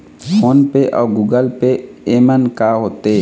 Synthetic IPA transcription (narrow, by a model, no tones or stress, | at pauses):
pʰoːnpeʔɔ̰ːɡuːɡəlpeemənkaɦoːt̪e